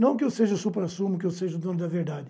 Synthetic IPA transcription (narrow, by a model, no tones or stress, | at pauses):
nɐ̃w̃k̬ɪewseʒɐʊsupɾasũmʊk̬ɪewseʒɐd̪õnʊd̪ɐveɾd̪ad̪ɪ